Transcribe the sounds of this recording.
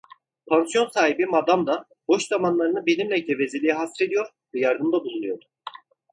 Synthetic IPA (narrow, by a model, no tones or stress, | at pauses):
pʰansijo̞nsaːɦibimad̪amd̪a | b̥o̞ʃzamanlˠaɾɯnɯbenʲimlʲɛt̪ʰevezelʲiiɦasɾe̞d̪ijo̞ɾ | vɛjaɾd̪ɯmd̪abuzulˠujo̞ɾu